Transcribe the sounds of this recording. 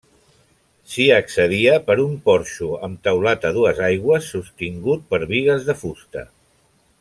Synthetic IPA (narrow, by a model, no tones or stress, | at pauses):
siəksəð̞iəpəɾumpɔɾʃuəmt̪əwlat̪əð̞uəzajɣwəsːust̪iŋɡut̪̚pəɾβiɣəzðəfust̪ə̰